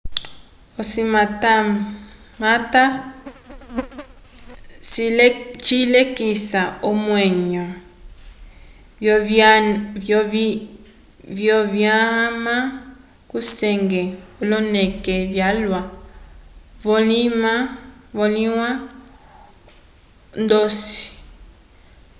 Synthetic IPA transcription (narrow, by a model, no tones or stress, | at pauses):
osimata | mata | st͡ʃilekisaomwɛɲa | vjɔβjama | kusɛŋɡɛɔlɔnɛkɛβjalwa | vɔlimavɔliwa | ndɔsi̥